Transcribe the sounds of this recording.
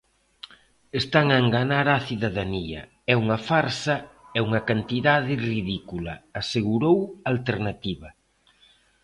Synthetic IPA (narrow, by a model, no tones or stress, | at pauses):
est̪aŋaeŋɡanaɾaθiðaðaniɐ̰ | ɛuŋɐfaɾsɐɛuŋɐkant̪iðaðɪriðikulɐ̰ːseɣuɾowalt̪eɾnat̪iβɐ